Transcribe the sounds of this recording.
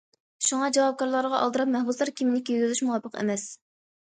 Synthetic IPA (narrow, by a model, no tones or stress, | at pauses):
ʃuŋɑd͡ʒɑwɑp̚kɑɾlˠɑɾʁɑʔɑlˠd̪əɾɑp̚mɛhbuslˠɑɾkʲʰimɪnɪkʲøɡʲylyʃmuwɑpʰːəqḛmɛs